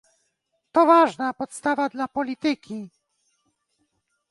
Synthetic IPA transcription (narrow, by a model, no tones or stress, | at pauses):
t̪ɔvaʐnapɔt̪st̪avad̪lapɔlʲit̪ɘkʲi